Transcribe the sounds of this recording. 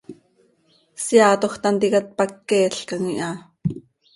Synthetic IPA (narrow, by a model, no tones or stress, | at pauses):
sjaːt̪oxt̪ant̪ikat̪̚pakːeːɬkaŋiʔɑ